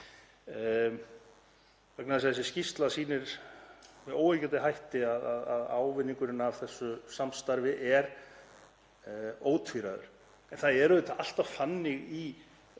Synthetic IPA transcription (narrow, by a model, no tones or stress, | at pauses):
vɛknaðs̬aðɛs̬ɪscist̪lasiːnɪɾ̥ | vɛoːwɛcɛnt̪ɪɦajht̪ɪaðaðaðaːwvɪnːiŋkʏɾɪnavθɛsːʏsamst̪aɾvɪʔɛɾ | oːwt̪fiɾaðʏ̰ɾ̥ | ɛnθaðɛɾʏðɪt̪aal̥t̪av̥fanːɪɣi